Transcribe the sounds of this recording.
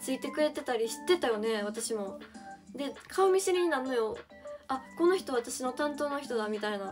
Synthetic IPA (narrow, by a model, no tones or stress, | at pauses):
t͡sɨit̪e̞kɯ̟ɾe̞t̪e̞t̪aɾʲiɕi̥t̪ːe̞t̪ajo̞ne̞β̞at̪aɕimo̞d̪e̞kʰaomʲisɨɾʲiɲ̟inanojo̞ | ako̞no̞çi̥t̪o̞βat̪aɕino̞t̪ãnt̪o̞ːno̞çi̥t̪o̞d̪amʲit̪aina